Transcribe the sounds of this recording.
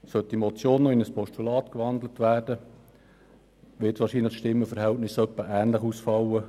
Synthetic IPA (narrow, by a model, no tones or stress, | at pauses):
sœtːimɔt͡sjoːnːoɪnəspʰɔʃtulɑːt̪kʋɑnd̪lət̪ʋæːrd̥ə | ʋɪtʋɑːɾʃiːnləχʃtɪmːəfəɾɦɛltnɪsœpːəʔæːnləχusfɑwə